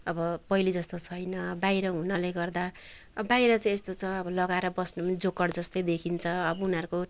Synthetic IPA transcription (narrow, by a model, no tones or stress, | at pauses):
ʌbʌpʌilid͡zʌst̪ot͡sʰʌjnʌbajɾʌɦunʌleɡʌrd̪a | bajɾʌt͡sʌj̃est̪ot͡sʰʌʌbʌlʌɡaeɾʌbʌsnʌmʌd͡zokʌɽd͡zʌst̪ʌjd̪ekʰint͡sʰʌʌbʌunʌɾuko